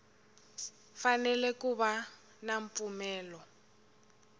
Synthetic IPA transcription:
fanɛlɛkuβa | naɱpfumɛːlɔ

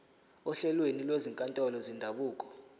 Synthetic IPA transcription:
ɔɬɛlwenilweziŋkʼantʼɔlɔzindʱaɓuːk̬ʼɔ̥

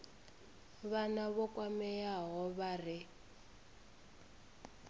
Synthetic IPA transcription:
βanaβɔkʼwamɛjaɦɔβarɪ

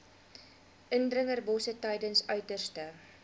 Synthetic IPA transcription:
ʔəndrəŋərbɔsətɛjdənsœɥtərstə

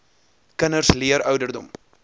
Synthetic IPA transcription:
kənərsliəɾœwdərdɔ̰m

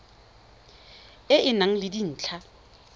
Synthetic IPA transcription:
ɪʔɪnaŋ̩lɪdin̩ːt͡ɬʰa

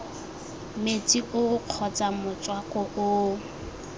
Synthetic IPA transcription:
met͡sʼiʔʊq͡χʰɔt͡sʼamʊt͡sʼwakʼɔʔʊ

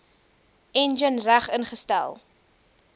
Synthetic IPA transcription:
ɛnd͡ʒənræχənχəstæ̰lˠ

